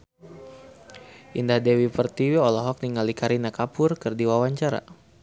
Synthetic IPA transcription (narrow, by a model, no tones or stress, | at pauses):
ʔindahdɛwipərt̪iwiɔlɔɦɔk̚niŋalikaɾinakapʊrkɨrdiwawaɲt͡ʃaɾa̰